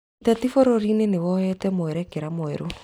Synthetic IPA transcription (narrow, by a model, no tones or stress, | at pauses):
tatifoɾoɾinenewɔhɛtɛmoɛɾɛkeɾamoɛɾo